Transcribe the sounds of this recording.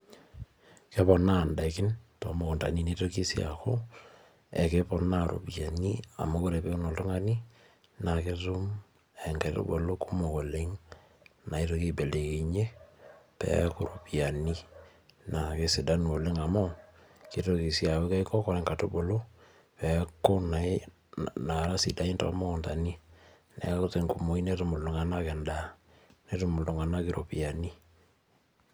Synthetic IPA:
ke˦pɔ˨na˦˨nda˨kɪ˦ntɔ˨mo˦ko˨nta̰˨ni˨ne˦to˦ki˦si˦a̰˨ko˦ | ɛ˨ke˦pɔ˦na˦ɾo̰˨pja˨ni˦a̰˨mo˦ku˦ɾe˨pe˦ku˦no˨lto˦ŋa˦ni˦ | na˨ke˦tu˦m | ɛ˨ŋɡe˨to̰˦bo˨lo˦ku˦mo˨ko˨le˦ŋ | na˨i˦to˧ki˦be˨le˨ke˨ɲe˦pɛ̰˦ku˨˦ɾu˨pja˨ni˦ | na˨ke˨se˨da˦nu˨o˨le˦ŋa˨mɔ˦ | ke˨to˨ki˨sja˨we˦ka˦i˦kɔ˦kɔ˨ɾɛ˨˦ŋka˨to˦bo˨lo˦ | pɛ˨˦ko˦na˨e˦ | na˨ɾa˦sḭ˨da˨˦i˦ntɔ̰˨˦mɔ˦˨nta˨ni˦ | nɛ̰˨˦ko˦te˨ŋku˨mo˨i˦ne˦to˨mo˨lo˨ŋa˨na˦kɛ˨nda˨ | ne˦to˨mo˨ldo˨ŋa˨na˦ke˦ɾo˨pi˨a˨ni˦

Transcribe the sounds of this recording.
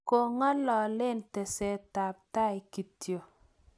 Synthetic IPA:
ko˨ŋa˦lɔ˨lɪ˦ntɛ˨sɛ˨ta˨p̚ta˦ɪ˨ki˨tjo˨

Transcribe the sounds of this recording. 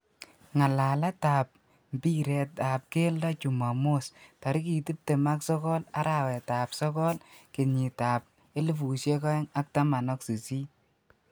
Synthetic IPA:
ŋa˨la˨la˦ta˨p̚ | mbi˦ɾɛ˨ta˨p̚ke˦ldɔ˦t͡ʃu˨ma˨mo˦sta˨ɾi˦ki˨ti˦p̚te˨ma˦ksɔ˦kɔ˦la˦ɾʔa˦˨wɛ˨ta˨psɔ˦kɔ˦lke˨ɲi˨ta˨p̚ | e˦li˦fu˨ʃje˦ka˦ɛ˦ŋa˦k̚ta˦ma˨nɔ˦ksi˨si˦

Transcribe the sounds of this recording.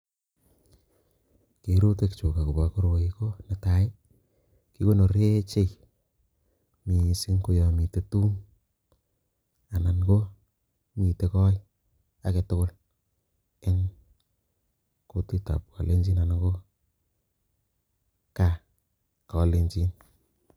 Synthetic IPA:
ke˨ɾu˦te˨kt͡ʃo˨ka˨ku˨ba˨ko˦ɾwo˨i˨ko˦na˨ta˨ɪ˦ | ki˦ko˦no˨ɾe˦t͡ʃe˦j | mi˨si˦ŋku˦jɔ˨mi˨te˦tuː˦ŋ | a˨na˨nko˦ | mi˨te˨kɔ˦j | a˦ke˨tʊ˦kʊ˦l | e˦ŋ | ko˦ti˦ta̰˨p̚kɔ̰˨le˦ɲd͡ʒi˦na˨nako˦ | ka˨ | kɔ˨le˦ɲt͡ʃi˦n

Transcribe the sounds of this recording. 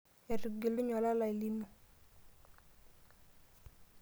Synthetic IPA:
ɛ˨ɾɡe˨lo˦ɲɔ˨la˦la˨i˨li˦mo˨

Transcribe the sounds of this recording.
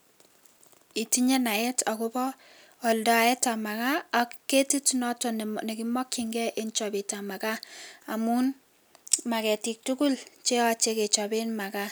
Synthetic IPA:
i˨ti˦ɲe˦na˨e˦tʰɔ˨kʊ˦bɔː˦˨ | ldɔ˨e˦ta˨ma˨ka˦ɔ˨kkːe˦ti˦tnɔ˦tɔ˨nne˨ki˦mɔ˦kːi˦ŋɡɛ˦ʔe˦nt͡ʃɔ˨bi˨ta˨ma˨ka˦a˨mu˦n | ma˨kɛ˨ti˨k̚tu˦ku˦lt͡ʃe˦ɔ˦t͡ʃe˦ke˨t͡ʃɔ˨be˦nma˨ka˦

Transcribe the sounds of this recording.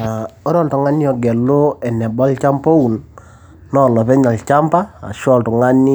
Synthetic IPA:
a˨ɔ˦ɾɔ˦ltɔ˨ŋa˦njɔ˨ɡɛ˨lo˦ɛ˨nɛ˨bɔ˦lt͡ʃa˦mpo˦wu˨n | nɔ˨lɔ˨pɛ˦ɲa˨lt͡ʃa˦mpa˦a̰˨ʃɔ˦˨ltɔ˨ŋa˦ni˦

